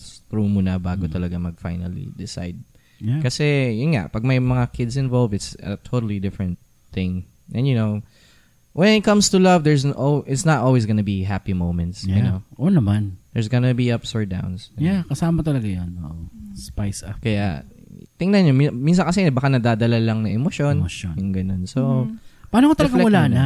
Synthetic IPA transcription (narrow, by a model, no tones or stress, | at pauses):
st̪ɾumuːnɐbaːɡot̪ɐlɐɡamɐɡ̚fajnɐ̰lḭd̪ɪsa̰jd̪̚ | akɐsɛjʊnŋa̰ʔpɐɡ̚mɐjmɐŋakʰɪd̪sɪ̃nvolvɪt̪sɐ̰t̪ʰot̪ɐlid̪ɪfɹɛ̃nt̪̚ | θɪ̃ŋ | ʔɛ̃njʊnoʊ | wɛ̃nɪt̪̚kɐ̃mst̪ulɐvd̪ɛɹs̬ʔoʔɪt̪snɐt̪ʔolwis̬ɡonɐbiɦapimoʊ̃mɛ̃nt̪sjʊnoʔonɐmand̪ɛɹs̬ɡonɐbiʔɐpsɔɹd̪ã̰wnsjakɐsaːmɐt̪ɐlɐɡajono̰ʔʔospajskɐja̰t̪ɪŋnɐnɲomimins̬ɐkɐsɛbɐkanɐd̪aːd̪ɐlalɐŋnɐʔɛmoʃonjʊŋɡɐnonsopaaːnokot̪ɐlɐɡalmʊlana